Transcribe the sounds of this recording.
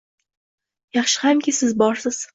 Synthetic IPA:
jɑχʃɪ̥hamkʲɪsɪzbɒɾsɪz̥

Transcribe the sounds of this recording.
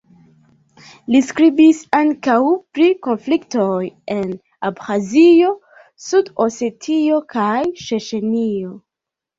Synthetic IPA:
liskɾibisaŋkawpɾiko̞nflikto̞je̞n | abxazio̞ | sudose̞tʰio̞kʰajʃeʃe̞nio̞

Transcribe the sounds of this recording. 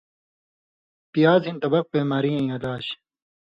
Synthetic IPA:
pijaːzĩnt̪ɐbɐq̚beːmaːɾiɐ̃ĩɐlaːɕ

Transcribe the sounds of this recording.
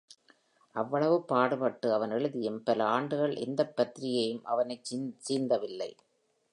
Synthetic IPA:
ʔɐʋːɐɭɐʋɯpːaːɽɯpɐʈːɯɐʋɐnɛɻɯðɪjɯmpɐlɐaːɳɖɯɣɐɭʔɛ̰nd̪ɐpːɐt̪ːɾɪjɐjɯmʔɐʋɐnɐɪt͡ʃt͡ʃiːnd̪ɐʋɪlːɐ̰ɪ

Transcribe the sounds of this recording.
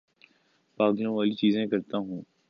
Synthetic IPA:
paːɡd̪nõʋaːlit͡ʃiːzẽkɐɾt̪aɦũː

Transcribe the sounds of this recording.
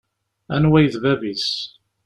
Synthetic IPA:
ænwæjðvævis

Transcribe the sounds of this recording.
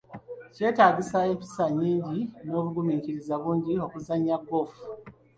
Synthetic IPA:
ce̞ːtaːɟisae̞ːmpi̥saɲːiːɲɟino̞ːβuɡumiːɲciɾizaβuːɲɟio̞kuzaɲːaɡo̞fu̥

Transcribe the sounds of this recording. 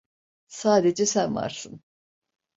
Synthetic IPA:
saːd̪ed͡ʒɛsænva̰ɾsɯn

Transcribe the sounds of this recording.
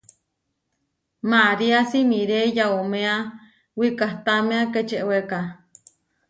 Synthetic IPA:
maɾiasimiɾejaomẽa | wikaht̪amẽaket͡ʃeʔweka

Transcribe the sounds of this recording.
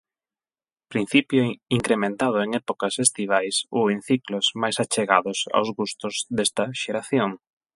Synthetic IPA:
pɾin̟θipjoiŋkɾemẽnt̪að̞ʊeŋɛpokɐsest̪iβ̞ajsoen̟θikloz̥majsat͡ʃeɣa̰ðʊsa̰wzɣust̪ʊzðest̪ɐʃeɾaθjoŋ

